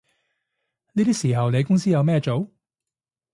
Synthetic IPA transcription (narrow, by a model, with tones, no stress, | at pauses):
niː˥t̪d̪iː˥siː˨˩ɦɐ˨wne˨˧jkʊ˥ŋs̬iː˥jɐ˨˧wmɛː˥˧t͡so˨˥w